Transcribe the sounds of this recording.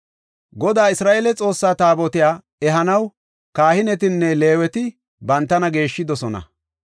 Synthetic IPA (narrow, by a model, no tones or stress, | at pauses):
ɡɔd̪aːɪsɾaːʔeːlɛt͡sʼo̞ːsːaːt̪aːbɔt̪ɪjaː | ɛɦɐnɐw | kaːhɪnɛt̪̬ɪnːɛle̞ːwɛt̪ɪ | bɐnt̪ːɐnɐɡe̞ːʃːɪd̪ɔsɔnɐ̰